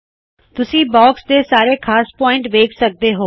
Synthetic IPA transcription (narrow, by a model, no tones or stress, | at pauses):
t̪ʊsĩːbɔːksd̪eːsaːɾeːkʰaːspɔːɪ̃ɳʈʋeːkʰsək̚d̪eːɦoː